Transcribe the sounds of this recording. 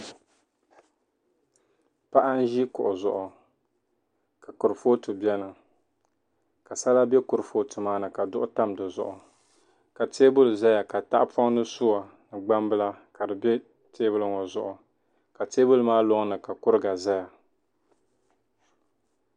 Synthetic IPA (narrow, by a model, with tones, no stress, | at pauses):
pa˦ʔa˦n̩˦ʒi˦kʊ˨ʔʊ˨zʊ˨ʔʊ˨ | ka˨kʊ˨ɾɨ˨fo˦tɨ˨bɛ˦nɨ˨ | ka˨sa˦la˦bɛ˦kʊ˨ɾɨ˨fo˦tʰɨ˨maː˦nɨ˨ka˨dʊ˦ʔʊ˦ta˦mdɨ˨zʊ̰˨ʔʊ˨ | ka˨teː˦bʊ˦lza˦ja˨ka˨ta˦ʔpɔ˦ŋ˦nɨ˦sʊ˦wa˨ | nɨ˨ɡ͡ba˦mbɨ˦la˦ka˨dɨ˨bɛ˦ | tʰeː˦bʊ˦lɨ˦ŋɔ˨zʊ˨ʔʊ˨ | ka˨teː˦bʊ˦lɨ˨maː˦lo˦ŋ˦nɨ˨ka˨kʊ˦ɾɨ˦ɡa˨za˦ja˨